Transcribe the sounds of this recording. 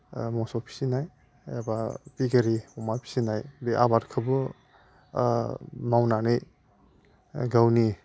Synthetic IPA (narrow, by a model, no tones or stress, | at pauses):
mɔsɔpʰi̥sinaj | abapiɡaɾiɔmapʰi̥sinajbeʔabaɾkʰɯbɯ | mawnanɯj | ɡawni